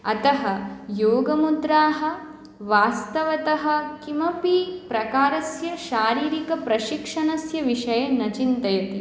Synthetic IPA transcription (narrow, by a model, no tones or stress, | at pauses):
ɐ̰t̪ɐɦɐ̆joːɡɐmud̪ɾaːɦɐ̆ | ʋaːst̪ɐʋɐt̪ɐɦɐ̆kimɐpipɾɐkaːɾɐsjɐʃaːɾiːɾikɐpɾɐʃikʂɐnɐsjɐʋiʂɐjɐnɐt͡ʃint̪ɐjɐt̪i